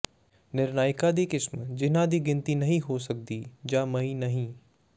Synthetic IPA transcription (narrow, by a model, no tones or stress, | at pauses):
nɪɾnaːjkad̪ikɪsmd͡ʒɪnãd̪iːɡɪ̃nt̪inɐɦĩɦosɐk̚d̪id͡ʒaːmɐĩnɐɦĩː